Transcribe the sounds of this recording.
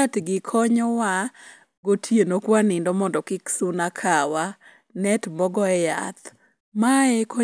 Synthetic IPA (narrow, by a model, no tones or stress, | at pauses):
atɡɪkʰɔɲɔwa | ɡotʰjenokwanɪndɔmɔndɔkɪksunakʰawa | nɛtmɔɡɔɛja̰t̪ | maɛkɔ